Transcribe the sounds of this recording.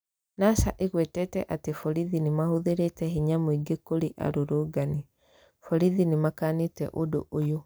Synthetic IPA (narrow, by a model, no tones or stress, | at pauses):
nasaʔeɣwɛtɛtɛʔatefɔɾiðinemahoðeɾetɛhiɲamoiɡekoɾeʔa̰ɾoɾoɡani | fɔɾiðinemakanetɛ̰ʔodo̰ʔojo